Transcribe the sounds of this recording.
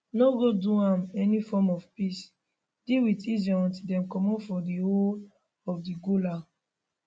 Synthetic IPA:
noɡoduãmɛnifɔmɔvpis | d̥iwitizɔ̃ɔ̃ntidɛ̃mkɔmɔfɔdihol | ɔfdiɡola

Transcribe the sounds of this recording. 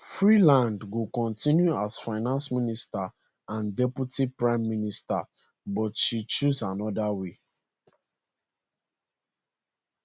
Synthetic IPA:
fɹilãndɡokɔ̃ntĩnjuasfaɪnãnsminista | ãndɛputʰipɹãɪ̃mːinista̰ | bɔtʃit͡ʃuzanɔdawe

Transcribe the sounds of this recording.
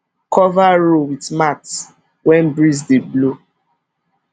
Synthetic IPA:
kʰɔvaɹowitmats | wɛ̃nbɹis̬deblo

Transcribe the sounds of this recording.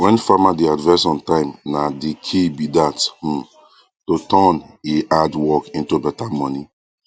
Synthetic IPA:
wɛ̃nfamadiadvɛsɔ̃ntãɪ̃mnadikʰibidath̩ | totɔneʔadwɔkĩntubɛtamɔni

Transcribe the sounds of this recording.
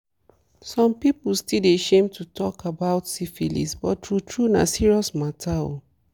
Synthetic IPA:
sɔ̃mpipulstildiaʃẽmtʰutʰɔkʰabaʊtsifilḭsbɔttɹutʰɹuna̰siɹiɔsmatʰao̰

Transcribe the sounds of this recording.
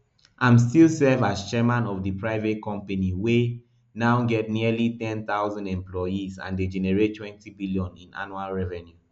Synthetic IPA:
ʔãmstilsɛvazt͡ʃɛmãnɔfdipɹaɪvetkɔ̃mpaniwe | naʊɡɛt̚nilitɛ̃nθaʊzãndɛ̃mplɔjizã̰nded͡ʒɛnɛɹettʰːwɛ̃ntibiljɔ̃nĩna̰nualɹɛvɛ̃nju

